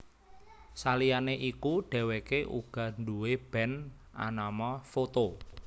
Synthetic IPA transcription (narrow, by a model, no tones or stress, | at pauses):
salijaneʔikuɖ̥ɛ̤wekeʔṵɡ̥a̤nduweb̥ɛn | ʔa̰namɔfot̪o